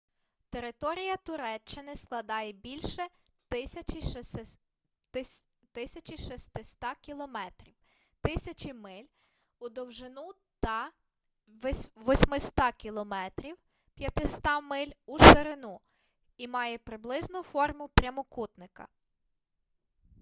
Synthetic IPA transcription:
t̪eɾɪt̪ɔɾʲijɐt̪ʊɾɛt͡ʃːɪnɪsklˠɐd̪ɑjɛbʲilʲʃɛt̪ɪsʲɐt͡ʃi | ɪ | t̪ɪsʲɐt͡ʃiʃist̪ɪst̪ɑkʲilˠɔmɛt̪ɾʲiw | t̪ɪsʲɐt͡ʃimɪlʲ | ʊd̪ɔwʒɪnu | t̪ɐ | ʋɔsʲmɪst̪ɑkʲilˠɔmɛt̪ɾʲiw | pʲjɐt̪ɪst̪ɑmɪlʲuʃeɾɪnu | imɑjɛpɾɪblˠɪznʊfɔrmʊpɾʲɐmɔkut̪nɪkɐ̰

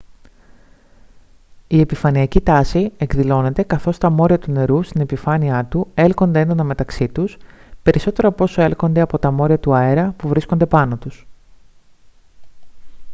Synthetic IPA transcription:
ie̞pifɐniɐcit̪ɐsie̞kðilo̞ne̞t̪e̞kɐθo̞st̪ɐmo̞ɾiɐt̪une̞ɾust̪ine̞pifɐniɐt̪ue̞lko̞nd̪eend̪o̞nɐme̞t̪ɐksit̪uspe̞ɾiso̞t̪e̞ɾɐpo̞so̞e̞lko̞nd̪e̞ɐpo̞t̪ɐmo̞ɾiɐt̪uɐeɾɐpuvɾisko̞nd̪e̞pɐno̞t̪us

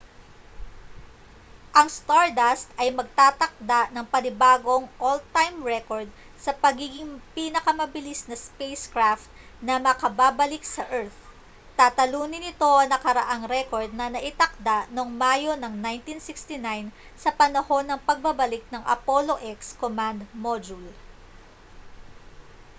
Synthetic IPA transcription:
ʔɐŋst̪aɹd̪ast̪ɐjmɐɡ̚t̪aːt̪ɐk̚d̪aʔnɐŋpɐnɪbaːɡo̞ŋʔolt̪ajmɹɛko̞ɹd̪̚ | sɐpɐɡiːɡɪŋpinɐkɐmɐbɪlisnɐspejskɹaft̪̚ | nɐmɐkɐbaːbɐlɪk̚sɐʔɛɹt̪ | t̪at̪ɐluːnɪnɪt̪o̞ʔɐnɐkɐɾɐʔaŋɾɛko̞ɹd̪̚nɐnɐʔɪt̪ɐk̚d̪aʔno̞ŋmajo̞nɐŋnajnt̪insɪkst̪ɪnajnsɐpɐnɐho̞nːɐŋpɐɡ̚bɐbɐlɪk̚nɐŋʔɐ̰po̞lo̞ʔɛkskomand̪mod͡ʒul

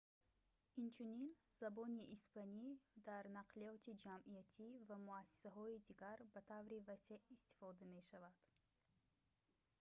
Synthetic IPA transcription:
int͡ʃʰuninz̥abɔniʔːspanid̪aɾnaqʰliɔt̪ʰid͡ʒamiat̪ʰivamuasːi̥saɦɔid̪iɡaɾbat̪ʰavɾivaseist̪i̥fɔd̪ame̞ʃavad̪̥

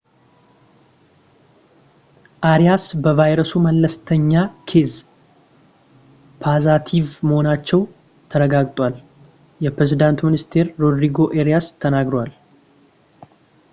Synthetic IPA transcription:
ʔaɾijasbəvajɾəsuməlːəst̪ʰəɲːakʰez | pʰazat̪ʰivməho̞nat͡ʃːɛw | t̪ʰəɾəɡaɡʼt̪ʼwal | jɛpɾezid̪ant̪minist̪ʰe̞ɾːo̞d̪ɾiɡo̞ʔeɾijast̪ʰənaɡɾwal

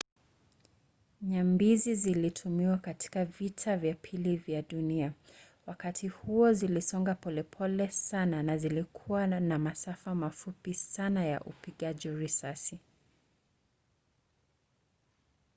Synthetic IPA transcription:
ɲambizizilitʰumiwakati̥kavitʰavjapʰilivjaɗunia | wakatʰihuɔzilisɔŋɡapɔlɛpʰɔlɛsananazilikʰuwanamasafamafupisanaja̰ʔṵpiɠaʄiɾisasi

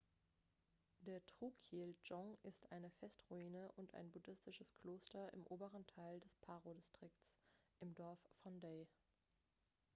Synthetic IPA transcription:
d̥eːɐtʁ̥uːkʰiːld͡ʒɔŋɪstʔaɪnəfɛstʁuiːnəʔʊnta̰ɪnbʊdɪstɪʃəskʰl̥oːstɐɪ̰mʔoːbəʁəntʰaɪldɛspʰaːʁodistʁ̥ɪktsʔɪmdɔɐffɔndeɪ

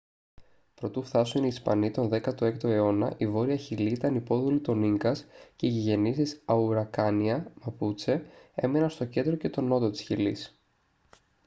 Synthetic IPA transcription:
pɾo̞t̪ufθɐsuniːspɐ̰nit̪o̞nðe̞kɐt̪oe̞k̚t̪oe̞o̞nɐ̰ʔivo̞ɾiɐçiliit̪ɐnipo̞ðolit̪o̞niŋkɐsce̞iʝiʝe̞nisisɐuɾɐkɐniɐmɐput͡se̞e̞̰menɐnst̪o̞ce̞nd̪ɾo̞ce̞t̪o̞no̞t̪o̞t̪i̥sçilis

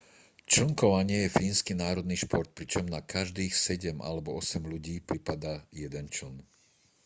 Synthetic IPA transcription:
t͡ʃl̩ŋkɔʋaɲɪɛjɛfiːnskinaːɾɔd̪niːʃpɔɾt̪̚pɾit͡ʃɔmnakaʒd̪iːxsɛɟɛmʔa̰lɛbɔɔsɛmluɟiːpɾipad̪ajɛd̪ɛnt͡ʃl̩n

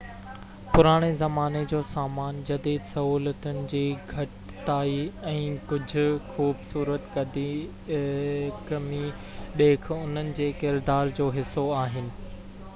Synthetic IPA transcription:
pʊɾaːɽ̃ezɐmaːned͡ʑoːsaːmaːnd͡ʑɐd̪iːd̪sɐɦuːlət̪ʊnɪ̆d͡ʑiːɡʱɐʈ | t̪aːiɛ̃ːkʊd͡ʑʱʊ̆xuːbsuːɾət̪kɐd̪i | kɐmi | ɗeːkʰʊn̤ənɪ̆d͡ʑeːkɪɾd̪aːɾd͡ʑoːɦɪsːoaːɦɪnɪ̆

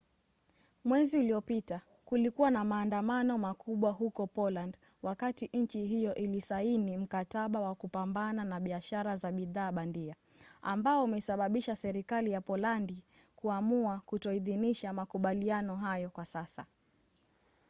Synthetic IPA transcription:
mwɛziuliɔpita | kulikuwanamaːndamanɔmakʰuɓwaɦukɔpɔland | wakatiʔɲ̩t͡ʃiɦijɔʔilisainim̩kataɓawakupambananaɓiaʃaɾazaɓiðaːɓandia | ambaɔmɛsaɓaɓiʃasɛɾikalijapɔlandi | kuamuakutɔiðiniʃamakuɓalianɔɦajɔkwasasa̰

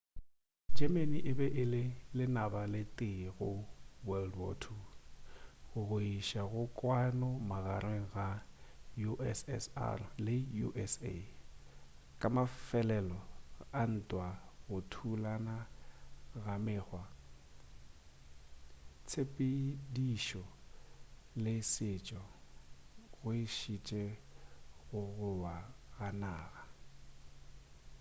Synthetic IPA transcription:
d͡ʒɛmeniʔɪbɛʔɪlɪlɪnabalɪtʼɪɣʊwɛldwɔ̰tʰu | ɣʊɣʊiʃaɣʊkʼwanɔmaɣaɾweŋ̩ɣajuʔɛsɛ̰sa̰rlɪjṵʔɛsḛ | kʼamafɛlɛlɔan̩tʼwaɣʊtʰulana | ɣamɪːχwa | t͡sʰepʼidiʃɔ | lɪsɪt͡ʃʼɔ | ɣʊɪʃit͡ʃʼɛ | ɣʊɣʊwaɣanaːɣa

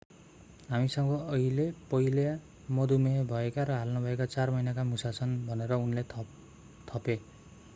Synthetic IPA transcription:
ɦamisʌŋɡʌʌilepʌilja | mʌd̪umebʱʌekaɾʌɦalnʌbʱʌekat͡sarmʌjnakamusat͡sʰʌnbʱʌneɾʌunle | t̪ʰʌpe

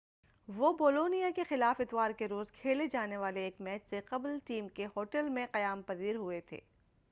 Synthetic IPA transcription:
ʋoboːloːnijakexɪlaːfɪt̪ʋaːɾkeɾoːzkʰeːled͡ʒaːneʋaːleːkmɛːt͡ʃseqɐblʈiːmkeɦoːʈəlmẽqɐjaːmpɐziːɾɦʊet̪ʰḛː

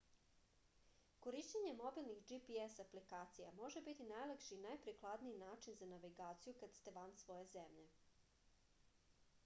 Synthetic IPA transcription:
koɾiʃt͡ɕeɲe̞mo̞bilˠnixd͡ʒipiesaplikaːt̪sijamo̞ʒe̞bit̪inajlˠakʃinajpɾiklˠad̪niinaːt͡ʃinzanaʋiɡaːt̪sijukad̪st̪eʋansʋo̞jezemʎe̞

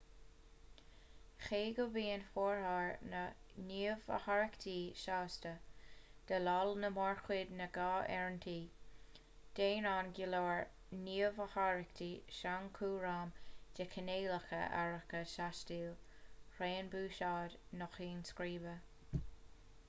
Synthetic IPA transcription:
xeːɡəbiːənfoːɹhaːɹnəniːəvə̰haɹəkt̪ʰiːʃaːstəd̪̥əlɔlnəmɔɹxwɪd̪nəɡaːʔɛɹntʰiː | d̪̥eːnaːnɡɪloːɹ | niːəvəhaɹəkt̪ʰiːʃaŋkʰuːɹaːmd̥ɪkʰəneːləxə̰ʔa̰ɹəkəʃaʃtiːl | ɾeːnbuːʃaːdnɔxiːnskɾiːbə

